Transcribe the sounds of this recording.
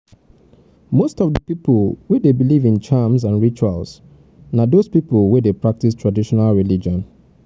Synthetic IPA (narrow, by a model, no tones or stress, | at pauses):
mostɔvðəpipl̩ˠwɛdebilivĩnt͡ʃamsãnɹit͡ʃualˠs | nadospiplˠwɛdepɹak̚tistʰɹadiʃɔnalˠɹilid͡ʒɔ̃n